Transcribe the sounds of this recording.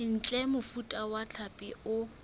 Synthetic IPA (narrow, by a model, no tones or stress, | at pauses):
ɪn̩t͡ɬʼɛmʊfutʼawat͡ɬʰapʼɪʊ